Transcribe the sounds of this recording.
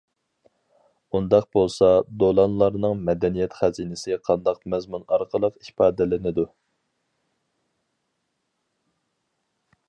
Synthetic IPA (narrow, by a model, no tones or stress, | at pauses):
und̪ɑq̚bolˠsɑd̪olˠɑnlˠɑɾnɨŋmɛd̪ɛnijɛt̪χæzinɪsɪqʰɑnd̪ɑqmɛzmunɑɾqʰəlˠəqipʰɑːd̪ɪlɪnɪd̪u